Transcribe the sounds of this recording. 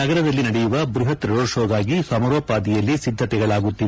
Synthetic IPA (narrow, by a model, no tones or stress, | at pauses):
nɐɡɐɾɐd̪ɐlːinɐɽɛjuʋɐbɾuɦɐt̪ɾɐɾoːʃoːɡ̪aːɡisɐmɐɾoːpaːd̪ijɐlːisid̪ʱːɐt̪ɛɡɐɭaːɡut̪ːiʋe